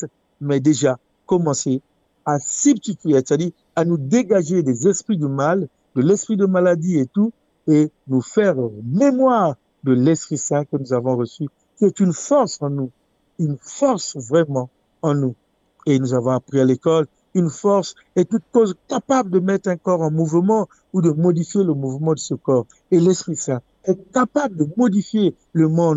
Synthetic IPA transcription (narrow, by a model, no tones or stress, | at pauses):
t̪ | mɛd̪eʒa | kɔmɑ̃se | asyb̚t̪it̪ɥese̥t̪ad̪iːʁ | anud̪eɡaʒed̪ezɛspχid̪əmal | d̪əlɛspχid̪əmalad̪iet̪u | enufɛʁmemwaʁ | d̪əlɛspχisɛ̃kənuzavɔ̃ʁəsy | kʲiɛt̪ynfɔʁsɑ̃nu | ynfɔʁsvʁɛmɑ̃ | ɑ̃nu | enuzavɔ̃apχialekɔl | ynfɔʁs | ɛt̪ut̪̚kozkapabld̪əmɛt̪χɛ̃kɔʁɑ̃muvəmɑ̃ | ud̪əmɔd̪ifjeləmuvmɑ̃d̪əsəkɔʁ | elɛspχisɛ̃ | ɛkapabld̪əmɔd̪ifje | ləmɔ̃d̪